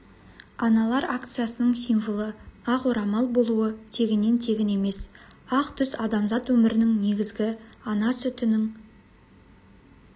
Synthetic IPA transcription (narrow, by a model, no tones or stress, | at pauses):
ɑnɑlˠɑɾakt̪sɨjasənəɴsijnvəlˠəɑqoɾɑmɑlˠbo̞lˠuət̪ʰe̞ɡʲɪnːe̞nt̪ʰe̞ɡʲɪne̞me̞s | ɑqt̪ʰʏsɑd̪ɑmzɑt̪wɵmɪɾɪnɪŋne̞ɡʲɪzɡʲɪɑnɑsʏt̪ʏnɪŋ